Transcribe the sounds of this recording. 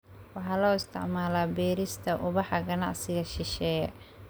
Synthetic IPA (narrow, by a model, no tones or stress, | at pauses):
wɑħɑːlɔːɪst̪ʰɪ̰ʕmaːlaːbɛːɾɪst̪ʰɐʔʊβɑħɑɡɐnɑ̰ʕsɪɣɐʃɪʃɛːjɛ